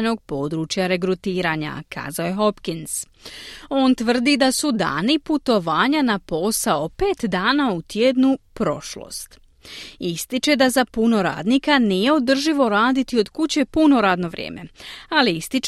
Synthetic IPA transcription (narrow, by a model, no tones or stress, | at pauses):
no̞ɡ̚po̞ːd̪ɾut͡ʃjaɾe̞k̬ɾut̪iːɾaːɲa̰kʰa̰ːzaoje̞ɦo̞pkins | o̞ːnt̪ʋr̩d̪id̪asud̪a̰ːniput̪o̞ʋaːɲanapo̞saope̞ːt̪d̪aːnaut̪jed̪nupɾo̞̰ʃlo̰ːst̪ | ist̪it͡ʃe̞d̪azapuno̞ɾa̰ːd̪nikaniːje̞o̞d̪r̩ʒiʋo̞ɾaːd̪it̪io̞d̪kut͡ɕe̞puno̞ɾaːd̪no̞ʋɾjʔḛːme̞̰aliist̪it͡ʃ